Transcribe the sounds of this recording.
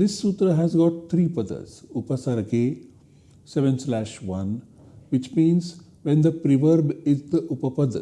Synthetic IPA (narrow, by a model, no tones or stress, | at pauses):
d̪ɪsːuːt̪ɾəɦæzɡɔːʈ̚t̪ʰɾiːpɐd̪ə̰ɾsupəsaɾkeː | seʋə̃nslæʃʋɐ̃n | ʋɪt͡ʃmĩːns | ʋẽnd̪əpɾiʋəɾbɪt̪upəpəd̪